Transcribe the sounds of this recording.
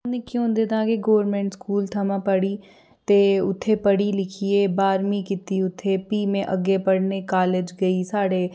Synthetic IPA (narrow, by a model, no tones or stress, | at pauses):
nekjõːd̪eːd̪ãkeɡoːəɾmẽːɳʈskuːlt̪ʰɐmãpɐɽi | t̪eʊt̪ʰːepɐɽilɪkʰieːbaːɾmĩkɪt̪iʊt̪ʰːepiːmẽʔɐɡepɐɽnekaːled͡ʒɡɐisaːɽe